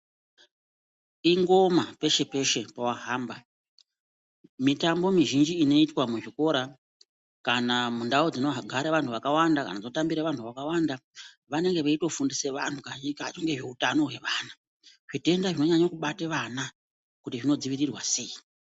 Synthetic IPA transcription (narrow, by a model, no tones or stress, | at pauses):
iŋɡo̞mape̞ʃe̞pe̞ʃe̞pawaɦaːmba | mitambo̞miʒind͡ʒiːno̞itwamuʐiko̞ɾa | kanamundaod͡zinoɦaɡʱaɾeʋantʰuʋakawandaka̰nad͡znotambiɾeʋantʰuʋakawanda | ʋane̞ŋɡe̞ʋaito̞fundise̞ʋa̰ntʰukaikat͡ʃoŋɡe̞ʐe̞utano̞we̞ʋaːna | ʐite̞ndaʐino̞ɲaɲakuɓateʋana | kutiʐino̞d͡ziʋirirwase̞i